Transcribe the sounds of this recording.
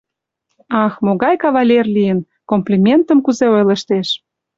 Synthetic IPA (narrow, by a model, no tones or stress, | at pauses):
ɑxmoɣɑjkɑβɑlʲerlijən | komplʲimʲent̪ə̆mkuzeojlə̆ʃt̪eʃ